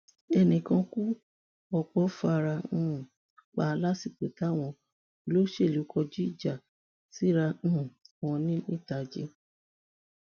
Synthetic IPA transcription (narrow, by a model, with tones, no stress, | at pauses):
ɛ˧nĩ˨kã˧ku˦ | ɔ˧k͡pɔ˦fa˧ɾã˧˦ũ˨ | k͡pa˨˦˧la˦si˦˨k͡pe˨ta˨˦˨w̃ɔ̃˧˨˧ | lo˦ʃe˦˨lu˨˦kʰɔ˧d͡ʒi˦i˦˨d͡ʒa˨ | si˦ɾã˧˦ũ˨w̃ɔ̃˧nĩ˦ĩ˦˨ta˨d͡ʒḛ˦